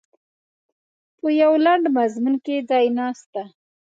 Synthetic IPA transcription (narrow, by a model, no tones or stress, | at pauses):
pəjawlaɳɖmazmunkedɑjnɑst̪a